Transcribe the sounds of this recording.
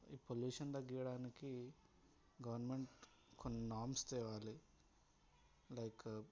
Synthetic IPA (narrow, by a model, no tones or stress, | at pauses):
iːpoljuːʂɐnd̪ɐɡːijɐɽaːniki | ɡɐʋɐɾnme̞ɳʈ | konːinaːɾmst̪ɛːʋaːli | lɐjk